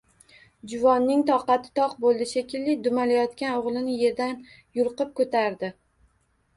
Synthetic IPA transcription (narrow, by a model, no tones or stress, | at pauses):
d͡ʒʊvɒnːɪŋt̪ʰɒqɑt̪ʰɪ̥t̪ʰɒqbolˠd̪ɪʃekʲʰɪlːɪd̪ʊmalajɒt̪kʲanoʁlˠɪnɪje̞ɾd̪an | jʊɾˠqɨp̚kʰot̪ʰaɾd̪ɪ